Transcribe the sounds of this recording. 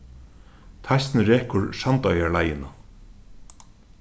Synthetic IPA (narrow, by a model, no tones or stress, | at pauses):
t̪ʰajst̪nɾɛːkʰʊɹsant̪œɥjaɹlajɪna